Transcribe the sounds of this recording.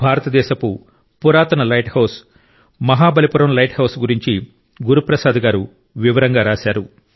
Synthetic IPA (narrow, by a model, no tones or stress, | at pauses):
bʱaːɾɐt̪ɐd̪ɛːʃɐku | puɾaːt̪ɐnɐlɐjʈhɐws | mɐɦaːbɐlipuɾɐmlɐjʈhɐwsɡuɾiɲt͡ʃi | ɡuɾupɾɐsaːd̪ɐɡaːɾu | ʋiʋɐɾɐŋɡaːɾaːʃaːɾu